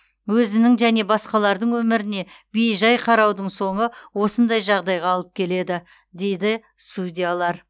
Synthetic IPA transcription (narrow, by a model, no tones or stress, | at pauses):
wɵzɪnɪŋʒæne̞bɑsqɑlˠɑɾd̪əɴwɵmɪɾɪne̞bijʒɑjqʰɑɾɑwd̪əɴso̞ɴəwo̞sənd̪ɑjʒɑʁd̪ɑjʁɑːlˠəp̚kʲʰe̞le̞d̪ɪ | d̪e̞jd̪ɪ | st̪ud̪ʲijalˠɑɾ